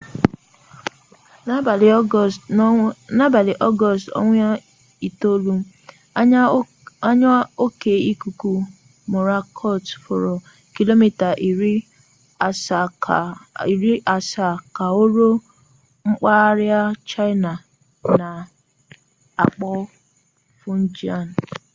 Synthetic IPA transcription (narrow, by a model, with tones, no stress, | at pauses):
na˦ba˨li˨ʔɔ˦ɡɔ˨sto̰˦ŋʷ˦a˦ | i˨to˦lu˦ | a˦ɲ˦o˦ke˨i˦ku˨ku˦ | mʊ˨ɾa˦kʰɔ˦˨tfo˨ɾo˨ | ki˦lo˦mi˦ta˨ʔi˨ɾi˦ | a˨sa˨ | i˨ɾi˦ʔa˨sa˨ka˨o˦ɾo˦ | ŋ͡m̩˦k͡pa˦ɾja˦t͡ʃa˦ɪ˦na˨ | na˨ | a˨k͡pɔ˦ | fʊ˦n̩˦d͡ʒi˦a˨n˨